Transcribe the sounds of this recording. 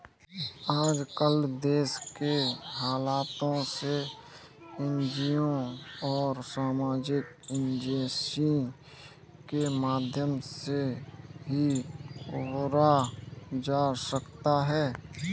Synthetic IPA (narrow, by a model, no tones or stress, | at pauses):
aːd͡ʒkəld̪eːskeɦaːlaːt̪õse | ẽnd͡ʒijõɔːɾsaːmaːd͡ʒɪk | ɪ̃nd͡ʒeːsi | kemaːd̪ʱjəmseɦiʊbɾa | d͡ʒaːsəkt̪aɦɛː